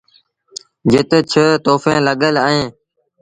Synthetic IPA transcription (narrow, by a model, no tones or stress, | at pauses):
d͡ʒɪt̪t͡ʃʰət̪oːfẽːləɠələẽː